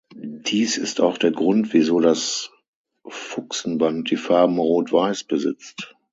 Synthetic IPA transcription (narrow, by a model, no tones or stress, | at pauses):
d̥iːsɪstaʊxd̥eːɐɡʁʊntv̥izoːdas | fʊksn̩bant̚d̥iːfaɐbm̩ʁoːtv̥aɪsb̥əzɪ̰t͡st